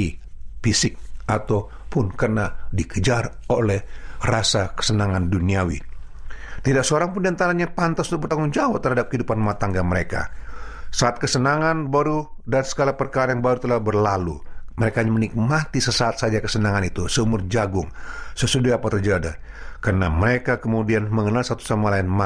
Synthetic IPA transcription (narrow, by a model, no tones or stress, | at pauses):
ifisɪk̚at̪aw | pʊnkərnadikəd͡ʒarolɛhrasakə̥sənaŋanduniawḭ | t̪idak̚səoɾaŋpʊndiant̪aɾaɲapant̪asunt̪k̚bərt̪aŋʊŋd͡ʒawap̚t̪ərhadap̚kəɦidupanmat̪aŋɡaməɾeka̰saːt̪̚kəsənaŋanbaɾudansə̥ɡalapərkaɾajaŋbaɾut̪əlahbərlaluməɾekaɲamənik̚mat̪isəsaːt̪̚sad͡ʒakəsənaŋanit̪usəumʊrd͡ʒaɡʊŋsəsudaapat̪ərd͡ʒada | karənaməɾekakəmudianməŋənalsat̪u̥samalaɪnma